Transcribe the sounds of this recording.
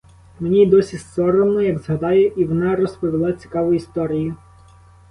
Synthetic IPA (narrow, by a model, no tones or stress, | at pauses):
menʲid̪ɔsʲisɔɾɔmlˠɔjɐɡz̥ɦɐd̪ɑjɛʔiʋɔnɑɾɔspɔʋʲilˠɑt͡sʲi̥kɑʋʊist̪ɔɾʲijʊ